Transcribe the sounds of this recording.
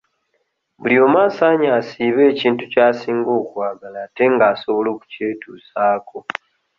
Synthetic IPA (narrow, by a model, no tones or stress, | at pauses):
βuljo̞ːmaːsaːɲaːsiːβe̞ːciːntucaːsiːŋɡo̞ːkwaːɡalaːte̞ŋɡaːso̞βo̞lo̞ːku̥ce̞ːtuːsaːkʰo̞